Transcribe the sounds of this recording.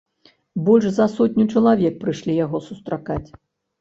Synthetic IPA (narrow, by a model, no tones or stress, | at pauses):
bɔlʲʐzɐsɔtʲnʲut͡ʂɐlˠavʲɛk̚pɾɨʂlʲijaɣɔsust̪ɾakat͡sʲ